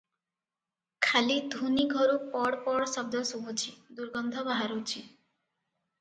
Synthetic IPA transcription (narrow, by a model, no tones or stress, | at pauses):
kʰalid̪ʱuniɡʱɔɾupɔɽpɔɽsɔb̚d̪ʱɔsuɦut͡ʃʰid̪uɾɡɔnd̪ʱɔbaɦaɾut͡ʃʰi